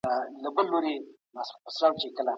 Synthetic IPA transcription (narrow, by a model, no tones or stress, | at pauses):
alabəlːoɾe | masɾpəslaːwt͡ʃekəla